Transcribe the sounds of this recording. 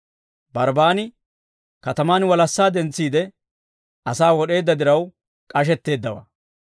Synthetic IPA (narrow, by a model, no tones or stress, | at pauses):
bɐɾbaːnɪ | kɐt̪ɐmaːnwɐlɐsːaːd̪ɛnt͡sːiːd̪ɛ | ɐsaːwɔɗe̞ːd̪ːɐd̪ɪɾɐw | kʼɐʃ̬ɛt̪ːe̞ːd̪ːɐwa̰ː